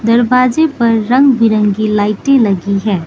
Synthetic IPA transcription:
d̪ɐɾbaːd͡ʒepɐɾːɐ̃ŋɡbɪɾə̃ŋɡilaːɪʈẽlɐɡiɦɛː

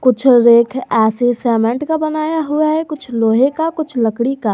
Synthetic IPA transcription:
kʊt͡ʃʰɾeːkʰɛːsesɛːmẽɳʈkabənaːjaɦuaɦɛkʊt͡ʃʰloːɦekakʊt͡ʃʰləkɽikaː

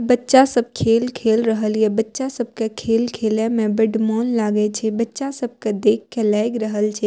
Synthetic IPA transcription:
bətːʃasəb̚kʰeːlkʰelɾəɦəljebətːʃasəb̚kekʰelkʰelemẽbəɖmɔːnlaːɡet͡ʃʰɛbətːʃasəb̚ked̪ekʰːelajɡɾəɦəlt͡ʃʰɛ

